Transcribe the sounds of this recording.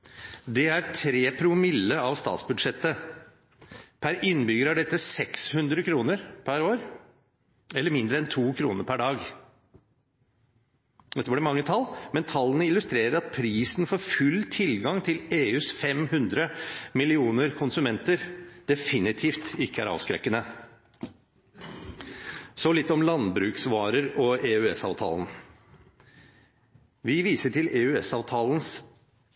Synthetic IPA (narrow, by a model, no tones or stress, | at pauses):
d̪ɛæɾt̪ʰɾeːpʰɾʊmɪlːəɑʋst̪ɑ̰ːt̪sbʉd̪ʂɛt̪ːə | pʰæɾɪnbʏɡəɾæɖɛt̪ːəsɛkshʉnd̪ɾəkʰɾuːnəɾpʰæɾoːɾ | ɛləɾmɪnd̪ɾəɛnt̪ʰuːkʰɾṵːnəɾpʰæɖɑːɡ | d̪ɛt̪ːəbəɖɛmɑŋːət̪ʰɑlːmɛnt̪ʰɑlːənəɪlʉst̪ɾeːɾəɾɑt̪̚pʰɾiːsn̩foːɾfʉlt̪ʰɪlɡɑŋt̪ʰɪleːʉːsfɛmhʉnd̪ɾəmɪlɪuːnəɾkʰʊnsʉmɛnt̪əɾd̪̥ɛfɪnɪt̪ʰiːft̪ɪkːəæ̰ɾɑ̰ːʋskɾɛ̰kːənə | sɔlɪt̪ːɔmlɑnbɾʉːksʋɑːɾəɾɔeʉɛsɑ̰ːʋt̪ʰɑ̰ːln | ʋɪʋiːsəʈʰɪleːʉɛsɑːʋt̪ʰɑːlən̩s